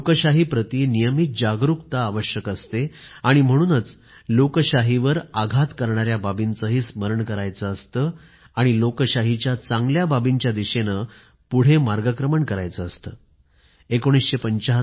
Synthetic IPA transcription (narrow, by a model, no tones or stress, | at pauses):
lokəɕaɦiːpɾət̪inijəmit̪̚d͡ʑaɡɾukt̪aːʋəɕjəkəst̪e | aɽ̃im̤əɽ̃uːnət͡s | lokəɕaɦiʋəɾaɡʱat̪kəɾɳaɾjababint͡səɦiːsməɾəɳkəɾajt͡səːst̪ə | aɽ̃ilokəɕaɦit͡ɕjat͡sãŋɡljababiɲt͡ɕjad̪iɕenə | puɽ̤emaɾɡakɾəməɳkəɾa̰jt͡səːst̪əː | ekoɽ̃isɕepəɲt͡ɕaɦ